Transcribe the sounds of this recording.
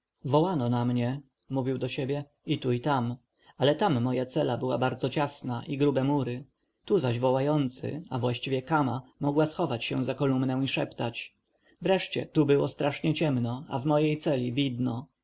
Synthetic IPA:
vɔwanɔnamɲɛ | muvʲiwd̪ɔɕebʲjɛ | it̪uit̪am | alɛt̪amːɔjat̪sɛlabɘwabaɾd̪zɔt͡ɕasnaʔiɡɾubɛmuɾɘ | t̪uzaʑvɔwajɔnt̪sɘ̰avwaɕt͡ɕivʲjɛkamamɔɡwasxɔvat͡ɕɕɛ̰̃zakɔlumnɛw̃iʂɛpt̪at͡ɕ | vɾɛʂt͡ɕɛ̰t̪ubɘwɔst̪ɾaʂɲɛt͡ɕɛmnɔa̰vmɔjejt̪sɛlʲivʲid̪nɔ

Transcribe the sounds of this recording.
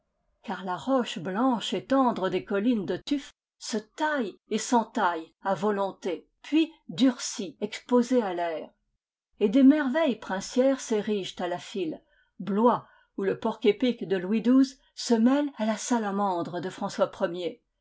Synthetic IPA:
kaʁlaʁɔʃblɑ̃ʃet̪ɑ̃d̪ʁəd̪ekɔlind̪ət̪yf | sət̪ajesɑ̃t̪ajavɔlɔ̃t̪e | pʰɥid̪yʁsiɛkspozealɛːʁ | ed̪emɛʁvɛjpχɛ̃sjɛʁseʁiʒt̪alafil | blwa | uləpɔʁkʲepikd̪əlwid̪uz | səmɛlalasalamɑ̃d̪ʁəd̪əfχɑ̃swapχəmje

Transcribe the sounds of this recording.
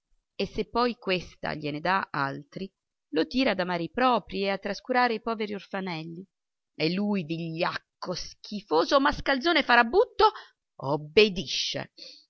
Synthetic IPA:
esːepːɔjkwest̪a̰ʎened̪aa̰lt̪ɾi | lot̪iːɾaːd̪amaːɾeipɾɔːpɾieat̪ːɾaskuɾaːɾeipɔːveɾiorfanɛlːi | elːujd̪iʎːakːosk̟ʰifoːzomaskald̪zoːnefaɾabːut̪ːo | obːed̪iʃːḛ

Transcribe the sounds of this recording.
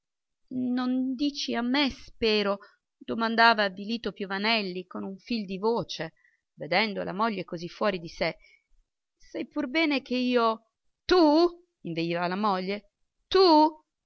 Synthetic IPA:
nond̪iːt͡ʃiamːespɛːɾo | d̪omand̪aːvaviliːt̪opjovanɛlːikonuɱfild̪ivoːt͡ʃe | ved̪ɛnd̪o̰la̰moʎːekozifːwɔːɾid̪ise | sajpurbɛːnek̟eiːo | t̪u | iɱved̪ivalamoʎːe | t̪u

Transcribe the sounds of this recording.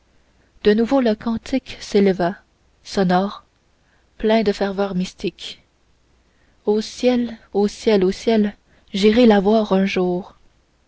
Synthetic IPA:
d̪̥ənuvoləkɑ̃t̪ʰɪkseləva | sɔnɔːʁ | plɛ̃d̪əfɛʁvœːʁmist̪ik | osjɛlosjɛlosjɛl | ʒiʁelavwaːʁœ̃ʒuːʁ

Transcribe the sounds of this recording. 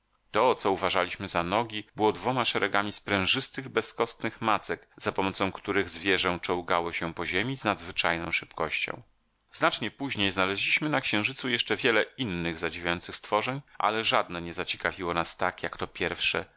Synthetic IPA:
t̪ɔt̪sɔuvaʐalʲiɕmɘzanɔɡʲibɘwɔd̪vɔmaʂɛɾɛɡamʲispɾɛ̃w̃ʐɘst̪ɘɣbɛskɔst̪nɘxmat̪sɛkz̥apɔmɔt̪sɔ̃w̃kt̪uɾɘɣzvʲjɛʐɛ̃t͡ʂɔ̃wɡawɔɕɛpɔʑemʲiznad̪zvɘt͡ʂajnɔ̰̃w̃ʂɘpkɔɕt͡ɕɔ̰̃w̃ | znat͡ʂɲɛpuʑɲejznalɛʑlʲiɕmɘnakɕɛ̃w̃ʐɘt̪sujɛʂt͡ʂɛvʲjɛlɛinːɘɣzad͡ʑivʲjajɔnt̪sɘxst̪fɔʐɛɲʔa̰lɛʐad̪nɛɲɛzat͡ɕɛ̥kavʲiwɔnast̪akjakt̪ɔpʲjɛɾfʂɛ̰

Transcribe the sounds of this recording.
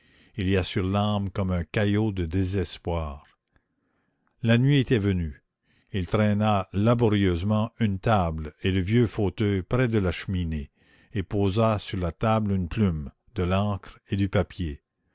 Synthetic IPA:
iliasyʁlɑ̃ːbkɔmɛ̃kajod̪əd̪ezɛspwaːʁ | lanɥiet̪ɛvəny | ilt̪ʁɛnalabɔʁjøːzmɑ̃ynt̪ableləvjøfot̪œjpɾɛd̪əlaʃəmine | epoːzasyʁlat̪ablynplym | d̪əlɑ̃ːkʁed̪ypapje

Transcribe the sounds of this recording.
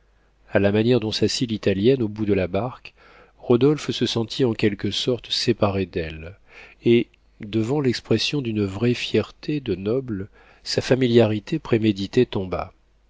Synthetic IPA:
alamanjɛʁd̪ɔ̃sasilit̪aljɛnobud̪əlabaʁk | ʁɔd̪ɔlfsəsɑ̃t̪ʰiɑ̃kʲɛlkəsɔʁt̪sepaʁed̪ɛl | e | d̪əvɑ̃lɛkspχesjɔ̃d̪ynvʁɛfjɛʁt̪ʰed̪ənɔbl | safamiljaʁit̪ʰepχemed̪it̪et̪ɔ̃ba̰

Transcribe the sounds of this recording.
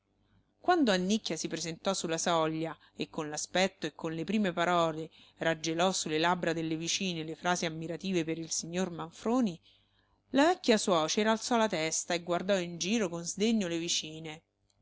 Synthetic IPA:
kwand̪oanːikːjasipɾezent̪ɔsulːasɔʎːa | ekːonlaspɛt̪ːoekːonlepɾiːmepaɾɔːle | rad͡ʒːelɔsulːelabɾad̪elːevit͡ʃiːnelefɾaːziamːiɾat̪iːvepeɾilsiɲːormaɱfɾoːni | lavɛkːjaswɔːt͡ʃeɾalt̪sɔlat̪ɛst̪aeɡward̪ɔind͡ʒiːɾokonzd̪eɲːolevit͡ʃiːne

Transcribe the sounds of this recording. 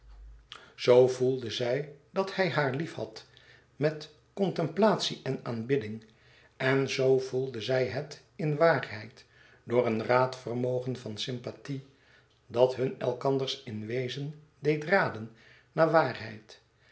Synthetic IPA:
z̥owvulˠdəzɛjdɑthɛjɦaːɹlifhɑ̰t | mɛt | kɔntɛmplaːtsiʔɛnaːnbɪdɪŋ | ɛnzowvulˠdəzɛjɦət | ɪnʋaːrɛjt | dʊːrənraːtfərmowχənvɑnsɪmpati | dɑtɦɵnɛ̰lˠkɑndəɹsɪnʋejzən | dejtraːdən | naːɹʋaːrɦɛ̰jt

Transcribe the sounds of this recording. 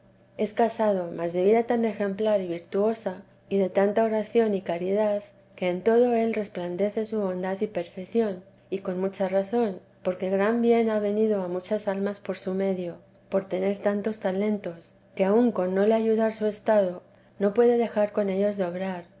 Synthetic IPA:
e̞skasaðo̞mazðe̞β̞iðat̪ane̞xẽ̞mplaɾiβ̞iɾt̪uo̞sa | iðe̞t̪ant̪ao̞ɾaθjo̞nikaɾiðað | ke̞ːnt̪o̞ð̞o̞e̞lre̞spland̪e̞θe̞suβo̞nd̪aðipe̞ɾfekθjo̞n | iko̞nmut͡ʃaraθo̞n | po̞ɾke̞ɣɾambje̞naβe̞niðoamut͡ʃasalmaspo̞ɾsume̞ðjo | po̞ɾt̪e̞ne̞ɾt̪ant̪o̞st̪ale̞nt̪o̞s | keauŋko̞nːo̞leaʝuðaɾsue̞st̪að̞o̞ | no̞pwe̞ðe̞ðe̞xaɾko̞ne̞ʎo̞zðeo̞βɾaɾ

